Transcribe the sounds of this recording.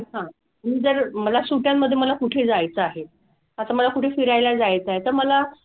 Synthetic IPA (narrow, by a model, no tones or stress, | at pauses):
ɦã | miːd͡zəɾməlasuʈjamːəd̪ʱːjeməlakuʈʰed͡zajt͡səaɦe | ət̪aməlakuʈʰefiɾajlad͡zajt͡səaɦet̪əɾməla